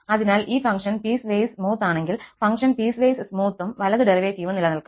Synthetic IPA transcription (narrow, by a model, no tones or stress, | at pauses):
ɐðinaːlʔiːfɐŋkʂɐnpiːsʋejsmuːt̪ːaːɳeŋɡilfɐŋkʂɐnpiːsʋejsɨsmuːt̪ːumʋɐlɐðɨɖeriʋekːijuʋɐnilɐnɐlkː